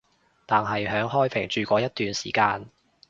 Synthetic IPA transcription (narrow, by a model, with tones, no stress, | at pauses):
t̪aː˨nɦɐ˨jɦœː˨˥ŋɦɔː˥jpʰɪ˨˩ŋt͡ʃyː˨˩kʷɔː˧jɐ˥t̪̚yː˨nsḭː˨˩kaː˧n